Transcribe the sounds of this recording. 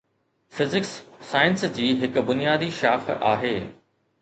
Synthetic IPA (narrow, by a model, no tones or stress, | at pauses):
fɪzɪksːaːɪənsd͡ʑiːɦɪkbʊnijaːd̪iʃaːxa̰ːɦeː